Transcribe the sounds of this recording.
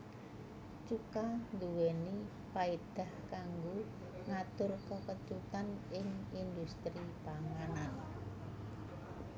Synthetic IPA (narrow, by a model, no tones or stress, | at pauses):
t͡ʃukand̪uwɛni | paid̪̥a̤hkaŋɡo | ŋat̪ʊrkəkəd̪̥ut̪anɪŋind̪ust̪ɾipaŋanan